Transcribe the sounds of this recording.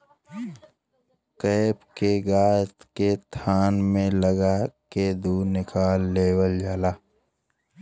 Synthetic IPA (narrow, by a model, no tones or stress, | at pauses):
keːpkeɡaːt̪ket̪ʰaːnmẽləɡaked̪uːnɪkʰaːlːeːwəld͡ʒaːlaː